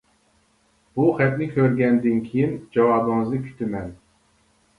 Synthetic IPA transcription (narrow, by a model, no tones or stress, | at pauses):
b̥uχɛp̚nɪkʲʰøɾɡʲɛnd̪ɪnkʲʰijind͡ʒɑwɑːbɨŋɨzɨkʲʰy̥t̪ʰɪmɛn